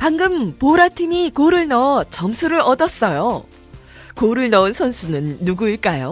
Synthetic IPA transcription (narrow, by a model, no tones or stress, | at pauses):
paŋɡɯmpoɾatʰimikoɾɯɭnʌt͡ɕʌmsʰuɾɯɾʌdʌs͈ʌjo | koɾɯɭnʌɯnsʰʌnsʰunɯnːuɡuiɭk͈ajo